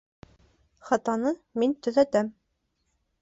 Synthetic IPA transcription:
χɑt̪ɑnɤmint̪ɵ̆ðæt̪æm

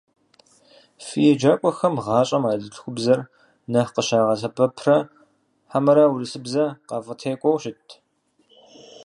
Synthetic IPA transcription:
fijɛd͡ʒaːkʷʼɔxɐmʁɑːɕʼɐmaːɮɨɬxʷʊbzɐr | nɐqəʃaːʁɐɬɐpʰɐpʰrɐ | ħamɐɾɐwʊrɨɬɨbzɐqɑvɐtʰeːkʷʼɔwɕɪtʰ

